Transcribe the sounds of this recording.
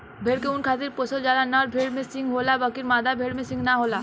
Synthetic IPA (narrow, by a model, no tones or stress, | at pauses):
bʱeːɽkeunkʰaːt̪̬ɪɾposəld͡ʒaːlanaɔɾbʱeːɽmẽsɪ̃ŋɡɦoːlabəkɪɾmaːd̪abʱeːɽmẽsɪ̃ŋɡnaɦoːlaː